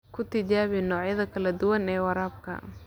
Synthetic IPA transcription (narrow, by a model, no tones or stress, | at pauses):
kʰʊt̪ʰɪt͡ʃaːβɪnɔːʕjɐðɐkʰɐlɐd̪ʊwɐnɛːwɑɾaːb̚kʰɐ̰